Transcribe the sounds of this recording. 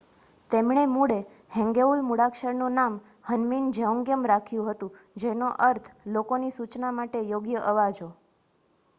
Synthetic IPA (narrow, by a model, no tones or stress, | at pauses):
t̪emɳ̃emuɽe | hɛ̃ŋɡeulmuɽakʃəɾnũnam | hənmind͡ʒeũŋɡjəmɾakʰjũɦət̪ũ | d͡ʒenoʔəɾt̪ʰlokonisut͡ʃnamaʈejoɡjəʔəʋad͡ʒo